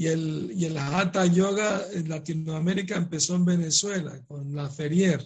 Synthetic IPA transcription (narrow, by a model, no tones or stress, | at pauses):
ielielaat̪aʎo̞ɣaenlat̪inoame̞ɾikaempe̞soembe̞ne̞swe̞la̰ko̞nlafe̞ɾje̞ɾ